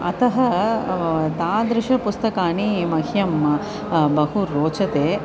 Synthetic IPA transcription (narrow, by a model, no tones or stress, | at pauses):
ɐ̰t̪ɐɦɐ | t̪aːd̪ɾɪʂɐpust̪ɐkaːɳimɐɦjɐm | bɐɦuɾoːt͡ʃɐt̪eː